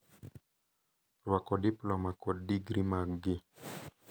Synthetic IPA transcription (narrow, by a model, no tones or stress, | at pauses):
ruakɔdiplɔmakɔdiɡɾimaɡi